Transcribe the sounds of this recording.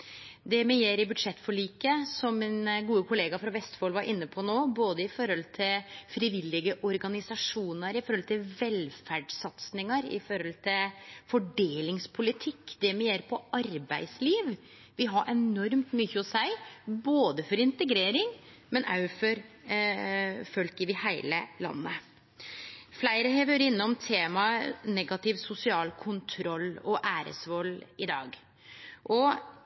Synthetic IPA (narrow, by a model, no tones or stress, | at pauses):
d̪ɛmɛjeːɾɪbʉd̪ʂɛt̪ːfɔɭiːkəsɔmːɪnɡuːəkʊleːɡɑfɾɑʋɛst̪foːlʋɑɾʔɪnːəpʰɔnoːboːd̪əɪfɔɾhɔlt̪ʰɪlfɾɪʋɪlːɪɡəʔɔɾɡɑnɪsɑʂuːnəɾɪfɔɾɔlt̪ʰɪlʋɛlfæɖsɑt̪snɪŋɑɾɪ̰fɔɾɔlt̪ʰɪlfɔɖeːlɪŋspʰʊlɪt̪ʰɪkːd̪ɛmɛjeːɾpʰɔʔɑɾbæɪsliːʋ | ʋɪɦɑɾʔɛnɔɾmt̪myçəɔsæɪboːd̪əfɔɾɪnt̪əɡɾeːɾɪŋ | mɛnɑ̰ʉfɔɾ | fœlkɪʋɪhæɪləlɑ̰nːə | flæɪɾəɦɛʋøɾɪnːəɔmt̪ʰeːmɑnɛɡɑt̪ɪʋsʊsɪɑːlkʰʊnt̪ʰɾɔlːɔʔæːɾə̰sʋɔlːɪd̪ɑ̰ːɡ | ʔɔ